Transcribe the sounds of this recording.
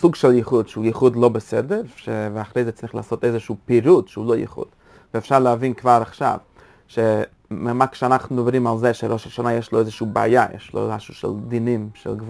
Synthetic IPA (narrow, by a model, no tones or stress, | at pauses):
suɡʃɛlˠjiχudʃuːjiχudlˠobəsɛdəɾʃevɪaχɾeɪzɛt͡sɾiχlˠa̰ːsoteɪzəʃuːpiɾudʃuːlˠojḭχṵd̥ | vɪɛfʃaɾlˠəavinkvaːɾaχʃa̰v | ʃe | mɛmakʃanaχnʊmdɔbɾimalˠzɛʃɛɾoʃalˠʃanajɛʃlˠoezəʃuːba̰aːjajɛ̰ʃlˠo̰ɾaʃuʃɛ̰lˠdinimʃɛ̰lˠɡv